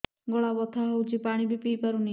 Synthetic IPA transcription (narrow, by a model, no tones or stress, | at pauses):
ɡɔɭabɔt̪ʰaɦɔwt͡ʃʰipaɽ̃ibipiːpaɾuni